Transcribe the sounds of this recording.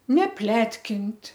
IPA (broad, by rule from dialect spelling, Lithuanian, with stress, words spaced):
nʲɛˈpʲlʲæːtʲkʲɪnʲtʲ